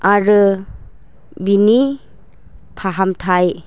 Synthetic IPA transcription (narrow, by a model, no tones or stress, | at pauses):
aɾɯ | bini | pʰaɦamtʰaj